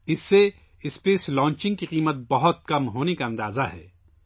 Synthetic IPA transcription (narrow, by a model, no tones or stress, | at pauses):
ɪsːe | ɪspeːslɔ̃ːɲt͡ʃɪ̃ŋɡ̚kiqiːmət̪̚bɐɦʊt̪̚kɐmɦoːnekaɐ̃nd̪aːzaɦɛ̰ː